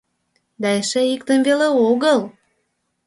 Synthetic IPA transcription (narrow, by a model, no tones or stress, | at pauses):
d̪ɑeʃeikt̪ənveleoɣəl